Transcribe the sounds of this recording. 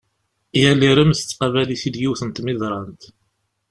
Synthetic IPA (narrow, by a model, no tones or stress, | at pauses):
jælːiɾəmθət͡sːqɑvæliθid̪jiwθənt̪mɪðˤɾˤɑnt̪